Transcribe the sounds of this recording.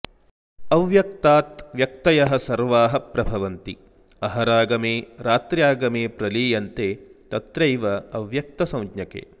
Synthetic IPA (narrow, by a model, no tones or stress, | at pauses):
ɐʋjɐk̚t̪aːt̪ʋjɐk̚t̪ɐjɐɦɐsɐɾʋaːɦɐpɾɐbʱɐʋɐnt̪i | ɐɦɐɾaːɡɐmeːɾaːt̪ɾjaːɡɐmeːpɾɐliːjɐnt̪eːt̪ɐt̪ɾɐjʋɐɐʋjɐk̚t̪ɐsɐ̃w̃dɲɐkḛː